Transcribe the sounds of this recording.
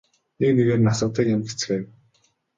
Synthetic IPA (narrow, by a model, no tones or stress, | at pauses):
nekneɣeːrnasə̆q̚t̪ə̆ːkjamɡe̥t͡sɘ̥̆xeːw